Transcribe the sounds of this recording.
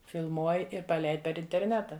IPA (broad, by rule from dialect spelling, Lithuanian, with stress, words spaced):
fʲɪlˠˈmuɔj ɪr pɐˈlʲɛɪt pʲɛr ɪnʲtʲɛrʲˈnʲæːtɐ